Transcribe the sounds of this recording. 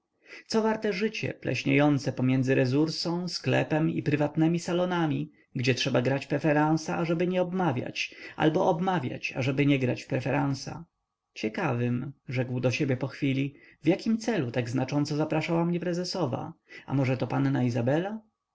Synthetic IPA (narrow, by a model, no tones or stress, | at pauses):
t̪sɔvaɾt̪ɛʐɘt͡ɕɛ̰plɛ̰ɕɲejɔnt̪sɛpɔmʲjɛnzɘɾɛzuɾsɔ̃w̃sklɛ̰pɛmḭpɾɘvat̪nɛmʲisalɔnamʲi | ɡd͡ʑɛtʂɛbaɡɾat͡ɕpɾɛfɛɾãw̃saːʐɛbɘɲɛɔbmavʲja̰t͡ɕʔa̰lbɔʔɔbmavʲja̰t͡ɕa̰ʐɛbɘɲɛɡɾat͡ɕpɾɛfɛɾãñsa̰ | t͡ɕɛkavɘmʐɛɡwd̪ɔɕebʲjɛpɔxfʲilʲivjakʲimt̪sɛlut̪aɡznat͡ʂɔnt̪sɔzapɾaʂawamɲɛpɾɛzɛsɔva̰a̰mɔʐɛt̪ɔpannaizabɛla